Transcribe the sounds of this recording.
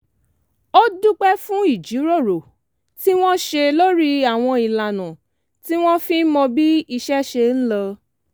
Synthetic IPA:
o˦du˦k͡pɛ˦fũ˦i˦˨d͡ʒi˨˦ɾo˦˨ɾo˨ | ti˦w̃ɔ̃˦ʃe˧lo˦ɾi˦a˦˨w̃ɔ̃˧i˨la˨nã˨ | ti˦w̃ɔ̃˦fĩ˦mɔ̃˧bi˦i˧ʃɛ˦ʃe˧n̩˦lɔ˧

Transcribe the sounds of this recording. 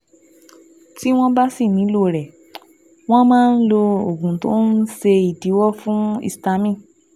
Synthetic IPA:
ti˦w̃ɔ̃˦ba˦si˦˨nĩ˨˦lo˦˨ɾɛ˨ | w̃ɔ̃˦mãː˦n̩˦lo˧o˨ɡũ˨to˦n̩˦ʃe˧i˨di˨˦wɔ˦fũ˦ḭ˦˨sta˧˦mĩ˦˨

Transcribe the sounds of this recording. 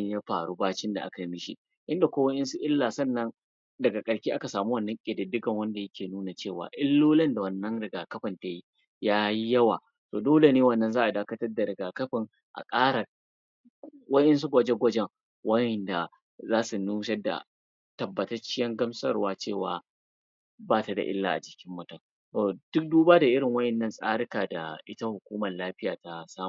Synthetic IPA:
jaː˦ɸa̰ː˨ɾu˦baː˦t͡ʃɪ˦nda˨ʔa˦ka˨mɪ˦ʃi˦ | ʔɪ˦nda˨kʷoː˦wɐ˦ʔɛ˦nsu˦ʔɪ˦lːaː˨sɐ˦˨nːɐ˦n | dɐ˨ɡa˨kʼɐ˨ɽkʲiː˦ʔa˦ka˨saː˨mu˦wɐ˦˨nːɐ˦ŋkʲʼɪ˨dɪ˨dɪ˦ɡɐ˨ŋwɐ˦nda˨jɐ˦kʲʰeː˨nuː˦na˨t͡ʃeː˦˨wa̰ː˨ʔɪ˦lːoː˦lɐ˦nda˨wɐ˨nːɐ˦ŋɾɪ˨ɡaː˨kɐ˦ɸɐ˨nta˨ji˦ | jaː˦ji˦jɐ˦waː˨ | toː˨doː˦le˨neː˦wɐ˦˨nːɐ˨nzaː˦ʔa˨daː˦kɐ˦tɐ˦rda˨ɾɪ˨ɡaː˨kɐ˦ɸɪ˨ŋ | ʔa̰˨kʼaː˦ɾa˨ | wɐ˦ʔɛ˦ns̬u˦ɡʷɐ˦d͡ʒe˦ɡʷɐ˦d͡ʒɛ˦˨ŋ | wɐ˦jɛ˨nda˨ | zaː˦su˨nuː˦ʃɐ˦da̰˨ | tɐ˨bːɐ˨tɐ˦t͡ʃɪ˦jɐ˦ŋɡɐ˦msɐ˦rwaː˦t͡ʃeː˦˨wa̰ː˨ | baː˦ta˨da̰˨ʔɪ̰˦lːa̰˨ʔa̰˨d͡ʒɪ˨kʲɪ˦mːwɐ˦tɐ˨ŋ | toː˨d̥ʊ˦k̚duː˦baː˦da˨ʔɪ˦ɾɪ˨ŋwɐ˦ʔɛ˨nːɐ˦nsʼaː˦ɽɪ˦kaː˨da̰˨ʔɪ˦ta˦hʊ˨kʷuː˦mɐ˨llaː˦ɸɪ˦jaː˨ta˦saː˦m˨

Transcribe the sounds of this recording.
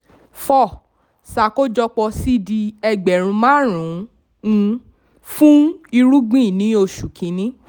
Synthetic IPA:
fɔ˦˨ | sa˨ko˦d͡ʒɔ˧k͡pɔ˧si˦di˧ɛ˧ɡ͡bɛ˨ɾ̃ũ˧mãː˦ɾ̃ũ˨˦˧ | fũ˦i˧ɾu˦ɡ͡bĩ˦˨nĩ˨˦o˧˨ʃu˨kʰĩ˨˦nĩ˦

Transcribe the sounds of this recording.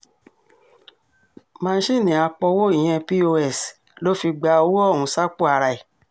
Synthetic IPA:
mãː˦˧˦ʃe˦˨nĩ˨a˧k͡pɔ˧wo˦i˦˨j̃ɛ̃˧pi˦o˧ɛ˦˨s | lo˨˦fi˧ɡ͡ba˧o˧wu˦ɔ˦˨ɾ̃ũ˧˦sa˦k͡pu˦˨a˧ɾa˧˨i˨

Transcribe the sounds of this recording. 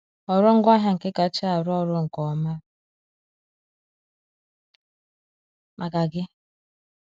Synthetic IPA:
ɔ˨ɾʊ˦ŋ̩˦ɡʷa˦ɦa˦˨ŋ̩˨kɪ˦ka˨˦t͡ʃa˦a˨ɾʊ˦ɔ˦ɾʊ˦ŋ̩˨kɔ˨ma˦ | mʔa˨ka˨ɡɪ˦

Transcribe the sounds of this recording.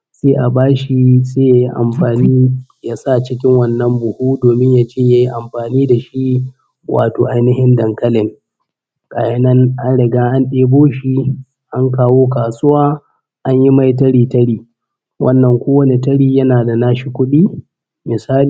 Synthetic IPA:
seː˦ʔa˨baː˦ʃi˦seː˦ja˦˨˦ji˦ʔa̰˨mɸaː˨niː˦jaː˦sa˦t͡ʃɪ˦kʲɪ˦ŋwɐ˦nːɐ˦mbʊ˨huː˦doː˨mɪ˦ɲja˦t͡ʃeː˦ja˦ji˦ʔa˨mɸaː˨niː˦da˨ʃi˦ | wʔa̰ː˨to̰ː˨ʔa˨jnɪ˦hɪ˦ndɐ˨ŋkɐ˦lɪ˨ŋ | kʼa̰ː˨jɐ˦nɐ˦nʔa˦nɽɪ˨ɡaː˦ʔa˦nɗeː˦boː˦ʃi˦ | ʔa˦ŋkaː˦woː˦kaː˨sʊ˦waː˦ | ʔa˦ɲji˦ma˦jt̬ɐ˦ɽiː˨tɐ˦ɽiː˨ | wʔɐ˦nːɐ˨ŋkʷoː˦wɐ˦ni˨tɐ˦ɽiː˦jɐ˦naː˨da˨naː˦ʃi˨kʷʊ˦ɗiː˦ | mɪ˨saː˦li˨

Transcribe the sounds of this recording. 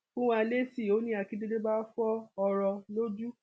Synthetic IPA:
kũ˦w̃a˧le˦si˦˨o˨˦nĩ˦a˧ki˦de˦de˦ba˦fɔ˦ɔ˧ɾɔ˧lo˦d͡ʒu˦

